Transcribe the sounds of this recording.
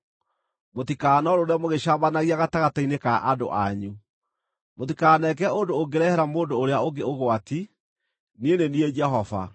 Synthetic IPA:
motikaːnɔɾoɾeamoɣeɕaːmbanaɣiaɣataɣatainekaʔado̰ʔa̰ɲu | mot̬ikaːnɛk̬ɛondoːɡeɾɛhɛɾamoːndoːɾeaoɡeoɣoati | nienenied͡ʒɛɦɔva̰

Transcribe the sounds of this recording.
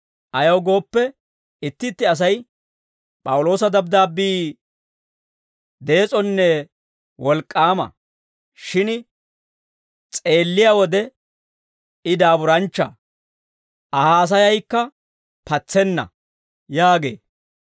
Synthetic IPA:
ʔɐjɐwɡo̞ːpːɛ | ɪt̪ːɪt̪ːɪɐs̬ɐj | pʼɐwʊlo̞ːsɐd̪ɐbd̪aːbiː | d̪e̞ːt͡sʼɔnːɛ | wɔlkʼːaːmɐ̰ | ʃɪn | t͡sʼe̞ːlːɪjawɔd̪ɛ | ɪd̪aːbʊɾɐnt͡ʃːɐ̰ | ʔɐhaːs̬ɐjɐjkːɐ | pɐt͡sːɛnːɐ̰ | jaːɡe̞ː

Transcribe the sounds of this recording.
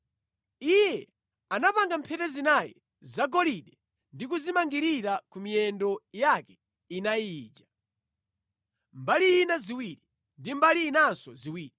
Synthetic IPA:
ijɛ | anapaŋɡam̩pʰɛtɛzinajɛ̰ | zaɡɔliɗɛ | ndik̬uzimaŋɡiɾiɾakumijɛndɔjakɛ̥ | inajiːd͡ʒa | mbaliːnaziwiɾi | ndimbaliːnansɔziwiːɾi

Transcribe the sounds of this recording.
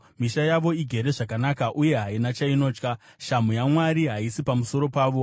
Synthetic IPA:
miʃajaʋo̞iɡʱe̞ɾe̞ʐakanakaʔuje̞ɦainat͡ʃaino̞ːt͡ʃka | ʃamujamwaɾiɦaisipamuso̞ɾo̞paːʋo̞

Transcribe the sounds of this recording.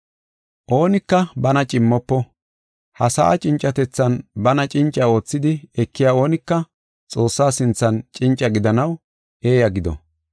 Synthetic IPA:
ʔo̞ːnɪkːɐbɐnɐt͡ʃʼɪmːɔpːɔ | hɐsa̰ʔɐ̰t͡ʃʼɪnt͡ʃʼːɐt̪ɛt͡sːɐnbɐnɐt͡ʃʼɪnt͡ʃʼːɐo̞ːt͡sːɪd̪ɪɛkːɪjaːo̞ːnɪkːɐ | t͡sʼo̞ːsːaːsɪnt͡sːɐnt͡ʃʼɪnt͡ʃʼːɐɡɪd̪ɐnɐw | ʔe̞ːjɐɡɪd̪ɔ̰

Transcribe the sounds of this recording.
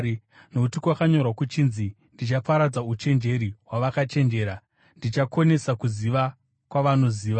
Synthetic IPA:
noutikwakaɲo̞rwakut͡ʃinzi | ndit͡ʃapaɾad͡zaut͡ʃe̞nd͡ʒe̞ɾiɦwaʋakat͡ʃe̞nd͡ʒe̞ːɾa | ndit͡ʃako̞ne̞sakuziʋa | kwaʋano̞ziːʋa

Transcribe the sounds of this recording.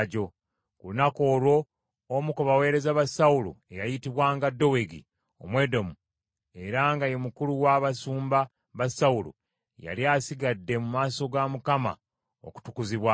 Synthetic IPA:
ɟo̞ | kulunako̞ːlwo̞ː | mukuβawe̞ːɾe̞zaβasawulṵejajitiβwaːŋɡadːo̞weɡḭ | o̰mwe̞ːdo̞mu | e̞ɾaŋɡajo̞mukuluwaβasuːmba | βasaulṵ | ja̰liaːsiɡadːe̞mumaːso̞ɡamukama̰ | o̰ku̥tukuziβwa

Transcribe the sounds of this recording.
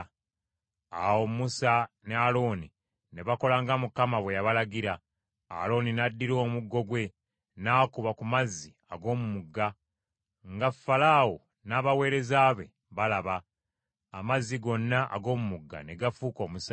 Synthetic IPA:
awomusanealo̞ːni | ne̞βako̞laːŋɡamukamaβwe̞jaβalaɡiɾa̰ː | lo̞ninadːiɾo̞ːmuɡːo̞ɡwe̞ | naːkuβakumazːi | aɡo̞ːmumuɡːa | ŋɡafːalaːwo | naːβawe̞ːɾe̞zaːβe̞ | βalaβa | amazːiɡo̞nːaʔa̰ɡo̞ːmumuɡːa̰ne̞ɡafuːko̞ːmusa

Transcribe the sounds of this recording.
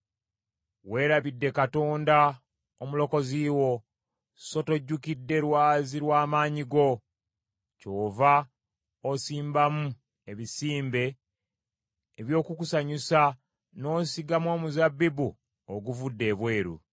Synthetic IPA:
we̞ːɾaβidːe̞kato̞ːnda | omulo̞ko̞ziːwo̞ | so̞to̞ɟːukidːe̞ɾwaːziɾwaːmaːɲiɡo̞ | co̞ːva | osiːmbamu | e̞βisiːmbe̞ | βjo̞ːkukusaɲisa | no̞ːsiɡamwo̞ːmuzabːibu | oɡuvudːe̞ːβwe̞ːɾṵ

